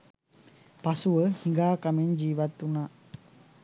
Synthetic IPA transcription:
pasuəhiŋɡakamend͡ʒiβat̪una

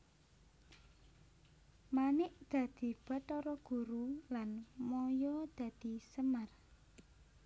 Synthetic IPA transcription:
manɪʔd̪̥ä̤d̪̥i̤b̥a̤t̪ɔɾɔɡ̥ṳɾulanmɔjɔd̪̥ä̤d̪̥isəmər

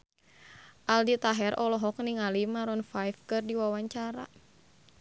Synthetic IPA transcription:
ʔaldit̪aɦɛrʔɔlɔɦɔk̚niŋalimaɾɔnfajfkɨrdiwawaɲt͡ʃaɾa̰

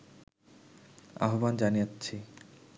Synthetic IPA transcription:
a̰ɦoband͡ʑanijatːɕʰi

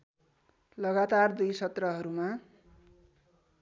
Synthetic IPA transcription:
lʌɡat̪ard̪ujsʌt̪rʌɦʌɾuma

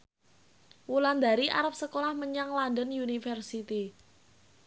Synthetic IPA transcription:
wuland̪a̤ɾiʔa̰ɾəp̚səkolahməɲaŋlandənjunifɛrsit̪i

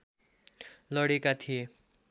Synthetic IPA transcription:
lʌɽekat̪ʰije

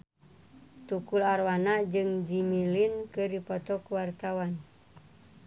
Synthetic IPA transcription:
t̪ukularwanad͡ʒɨŋd͡ʒimilinkɨripɔt̪ɔkuwart̪awan

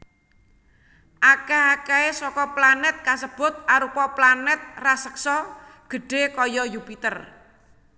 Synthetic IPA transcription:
ʔakaɦakaesɔkɔplanɛt̪̚kasəb̥ʊ̤t̪̚ʔaɾupɔplanɛt̪̚rasəksɔɡ̥ə̤ɖ̥e̤kɔjɔjupit̪ər

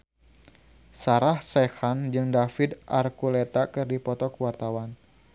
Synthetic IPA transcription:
saɾahsɛxand͡ʒɨŋdafɪd̪ʔarkulɛt̪akɨrdipɔt̪ɔkəwart̪awan

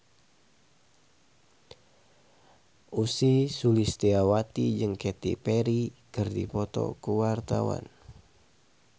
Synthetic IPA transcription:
ʔusisulist̪iawat̪id͡ʒɨŋkɛt̪ḭpɛɾikɨrdipɔt̪ɔ̰kuwart̪awa̰n

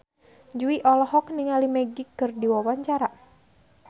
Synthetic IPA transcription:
d͡ʒuiʔɔlɔɦɔkniŋalimɛɡikːɨrdiwawaɲt͡ʃaɾa

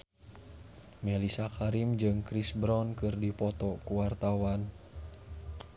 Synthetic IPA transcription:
mɛlisakaɾimd͡ʒɨŋkɾisbɾɔnkɨrdipɔt̪ɔkuwart̪awan

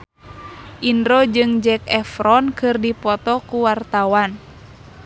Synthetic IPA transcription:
ʔindɾod͡ʒɨŋd͡ʒɛk̚ɛfɾɔnkɨrdipɔt̪ɔkuwart̪awan

